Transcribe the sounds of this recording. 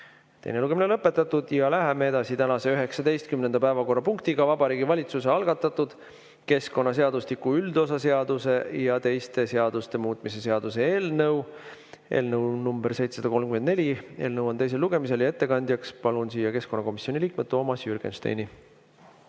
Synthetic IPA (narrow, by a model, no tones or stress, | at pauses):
t̪ejne̞luɡe̞minelɤpːˑe̞t̪ːˑɑt̪ːˑud̪̥jɑlæɦeme̞e̞d̪ɑsit̪ænɑse̞yɦe̞ksɑd̪e̞jst̪̚kymne̞nd̪̥ɑpæevɑko̞rːɑpuŋk̚t̪iɡ̥ɑvɑbɑɾiːɡivɑlʲit̪suse̞ɑlɡ̥ɑt̪ːˑɑt̪ːud̪̥ | ke̞sko̞nːɑs̬e̞ɑd̪̥uslikːuyld̪̥o̞sɑse̞ɑd̪̥use̞jɑt̪e̞jst̪e̞se̞ɑd̪̥ust̪e̞muːt̪ˑmise̞se̞ɑd̪̥use̞eːlnɤw | e̞̰ːlnəwnumb̥erse̞jt̪se̥sɑd̪ɑko̞lmkymend̪ne̞lʲieːlnɤwo̞nt̪e̞js̬eluɡ̥e̞mise̞ljɑe̞t̪ːe̞kɑnʲd̪̥ʲjɑkspɑlunsiːjɑke̞skonːɑko̞misio̞niliːkmed̥̪t̪ːo̞ːmɑsjyrɡ̥ḛnst̪ḛjni